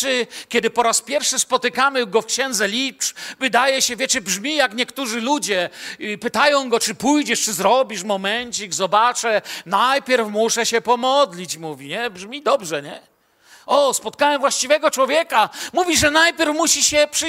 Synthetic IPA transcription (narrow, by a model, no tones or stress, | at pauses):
ɘkʲɛd̪ɘpɔɾaspʲjɛɾfʂɘspɔt̪ɘkamɘɡɔfkɕɛ̃nd̪zɛlʲipt͡ʂvɘd̪ajɛɕɛvʲjɛt͡ʂɘbʐmʲijakɲɛkt̪uʐɘlud͡ʑɛpɘt̪ajɔ̃w̃ɡɔt͡ʂɘpujd͡ʑɛʂt͡ʂɘzɾɔbʲiʂmɔmɛɲt͡ɕiɡzɔbat͡ʂɛnajpʲjɛɾfmuʂɛɕɛpɔmɔd̪lʲit͡ɕmuvʲiɲɛbʐmʲid̪ɔbʐɛɲɛ | ɔspɔt̪̚kaɲɛvwaɕt͡ɕivɛɡɔt͡ʂwɔvʲjɛkamuvʲiʐɛnajpʲjɛɾfmuɕiɕɛpʂ